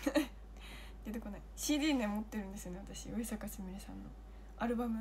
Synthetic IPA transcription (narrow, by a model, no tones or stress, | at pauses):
a | d̪̥et̪eko̞naiɕiːd̪ʲiːnemot̪ːeɾɯ̟̃nd̪e̞sɨjo̞neat̪aɕioisakasimiɾesãnːo̞̰ | aɾɯ̟bamɯ̟